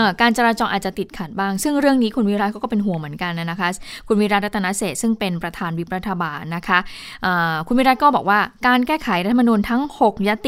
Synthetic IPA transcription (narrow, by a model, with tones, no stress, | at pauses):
ʔəː˨˩kaː˧nt͡ɕa˧ɾaː˧t͡ɕɔː˧ʔaː˨˩t̪̚t͡ɕa˨˩t̪i˨˩t̪̚kʰa˨˩t̪̚baː˥˩ŋsɯ˥˩ŋɾɯ˥˩əŋniː˦˥kʰu˧nwi˦˥ɾa˦˥t̪̚kʰɔ˥˩kːpe˧nɦu˨˩˦əmɯ˩˦ənka˧nːa˧˥na˦˥kʰa˦˥kʰu˧nwi˦˥ɾaː˦t̪̚ɾa˦˥t̪ʰːa˧na˦˥seː˨˩t̪̚sɯ˥˩ŋpe˧npɾa˧t̪ʰaː˧nwi˦˥p̚ɾa˦˥t̪ʰːa˧baː˧nːa˦˥kʰa˦˥ | ʔəː˨˩kʰu˧nwi˦˥ɾa˦˥t̪̚kɔː˥˩bɔː˨˩k̚waː˥˩kaː˧nkɛː˥˩kʰa˩˦jɾa˦t̪ʰːa˧ma˧nuː˧nt̪ʰa˦˥ŋho˨˩k̚ja˧˥t̪i˨